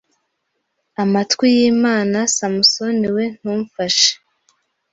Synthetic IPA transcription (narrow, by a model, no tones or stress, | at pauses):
amatkwijiːmaːnasamuso̞niwe̞n̥huːɱfaʃe̥